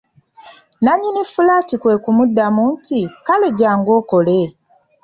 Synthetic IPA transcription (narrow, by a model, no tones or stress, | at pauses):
naɲinifulaːtikwe̞ːkumudːamuntikale̞ɟaːŋɡo̞ːko̞le